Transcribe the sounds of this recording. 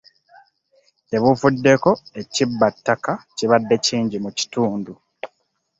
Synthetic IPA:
te̞βufudːe̞ko̞e̞cibːatːakaciβadːe̞ciːɲɟimuci̥tuːndu

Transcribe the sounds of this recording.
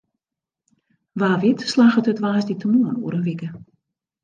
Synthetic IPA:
ʋaːʋɪtslaːxətətʋaːsditʰəmuənṵəɾəʋɪkə

